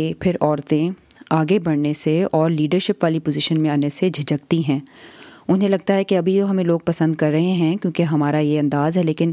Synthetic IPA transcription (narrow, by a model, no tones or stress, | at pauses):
epʰɪɾɔːɾt̪ẽaːɡebɐɽneseɔːɾliːɖəɾʃɪpʋaːlipoːzɪʃənmẽaːnesed͡ʒʱɪd͡ʒək̚t̪iɦɛ̃ːʊnɦẽlɐɡ̚t̪aɦɛkeɐbʱit̪oɦɐmẽloːɡ̚pɐsə̃nd̪̚kɐɾːɐɦẽɦɛ̃kjõːkeɦɐmaːɾajeɐ̃nd̪aːzɦɛleːkɪn